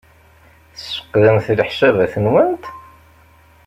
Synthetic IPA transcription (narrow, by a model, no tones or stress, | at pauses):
θsːə̥qːðənθləħʃævæθənwənt̪